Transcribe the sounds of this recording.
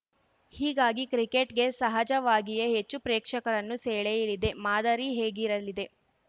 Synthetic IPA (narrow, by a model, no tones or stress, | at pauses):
hiːɡaːɡikɾikeʈɡe̞sɐɦɐd͡ʒɐʋaːɡijɐɦet͡ʃːupɾeːkʂɐkɐɾɐnːuseːɭejɐlid̪e̞maːd̪ɐɾiɦeːɡiɾɐlid̪e̞